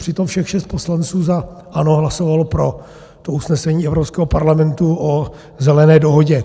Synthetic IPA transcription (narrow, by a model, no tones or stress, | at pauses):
r̥ɪt̪o̞mfʃɛxʃɛst̪poslant͡suːza | ʔano̞ɦlasovalpɾo̞ | t̪ousnɛsɛɲiːɛvɾopskɛːɦopaɾlamɛnt̪uʔo | zɛlɛnɛːdoɦoɟɛ